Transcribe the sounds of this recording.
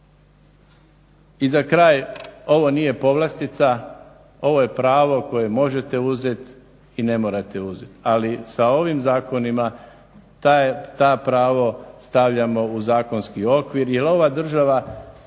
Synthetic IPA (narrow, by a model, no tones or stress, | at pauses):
izakɾaːjo̞ʋo̞nije̞po̞ʋlˠast̪it̪sa | o̞ʋo̞je̞pɾaːʋo̞ko̞je̞mo̞ʒe̞t̪e̞uze̞t̪ | ine̞moːɾat̪e̞uzet̪alisao̞ʋimzaːko̞nima | t̪at̪aːpɾaːʋo̞st̪aʋʎamo̞uzaːko̞nskio̞kʋiɾjelo̞ʋad̪r̩ʒaʋa